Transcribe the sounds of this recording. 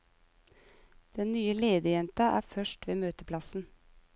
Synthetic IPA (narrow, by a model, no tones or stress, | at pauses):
d̪̥ɛnnyːəleːd̪əjɛnt̪ɑʔæ̰ːfœʃʈʋeːmøːt̪əpʰlɑsn̩